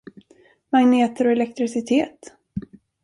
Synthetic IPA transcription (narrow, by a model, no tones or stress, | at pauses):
maŋneːt̪əɾɔɛlɛk̚t̪ɾɪsɪt̪ʰeːt̪